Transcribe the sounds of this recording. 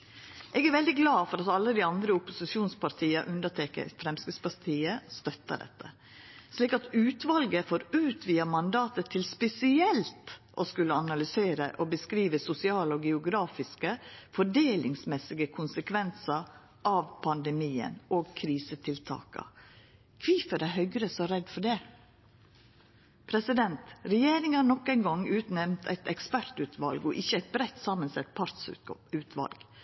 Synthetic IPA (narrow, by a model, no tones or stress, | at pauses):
ʔɛːɡæɾʋɛld̪ɪɡlɑːfɔɾɑt̪ɑlːəd̪ɪɑnd̪ɾəʊpʊsɪʃɪuːnspɑɾt̪ʰiːəɾʔʉnd̪ətʰɛːkə̰ɾfɾɛmskəspɑɾt̪ʰiːəst̪œt̪ːə̰ɖɛ̰t̪ːə̰ | ʂliːkɑt̪ʉːt̪ʋɑlɡəfoːɾʉːt̪ʰʋiːəmɑnd̪ɑːt̪ət̪ʰːɪlspɛsɪɛlt̪ʔɔskʉlːəɑnɑlʏseːɾə̰ʔɔbəskɾiːʋəsʊsɪɑːləɔɡɛʊɡɾɑːfɪskəfɔɖeːlɪŋsmɛsɪɡəkʰʊnsəkʰʋɛnsəɾ | ʔɑʋpʰɑnd̪ɛmiːə̰noːɡkʰɾiːsət̪ʰɪlt̪ʰɑ̰ːkə̰ | kʰʋifədæɦœʏɡɾəsɔɾɛd̪fɔɖɛ | pʰɾɛsɪd̪ɛnt̪ɾɛjeːɾɪŋhɑːnɔkːæɪnɡɔŋːʉːt̪nɛʋnt̪ʰɛ̰ɪt̪ɛkspæɾt̪ʉːt̪ʰʋɑlɡɔʔɪçːəæɪt̪̚bɾɛt̪ːsɑmənsɛt̪̚pʰɑɾt̪sʉːt̪ʰʋɑ̰lɡ̥